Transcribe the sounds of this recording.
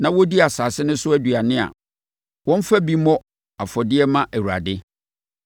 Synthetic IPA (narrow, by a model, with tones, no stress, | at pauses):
nã˨wɔ˦di˦a˨saː˨sɪ˦nʊ̃˦sʊ˦æ˦dɥa˨nɪ̃˦a̰˨ | wɔ̃˦m̩˦fæ˦bi˦mɔ̃˦ | a˨fɔ˨dɪ˦ɛ˦mã˦ʔæ˨wu˨ɾa̰˨dɪ˦